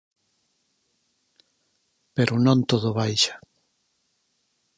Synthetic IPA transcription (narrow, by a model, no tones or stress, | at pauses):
peɾʔʊnõnt̪oðʊβajʃḁ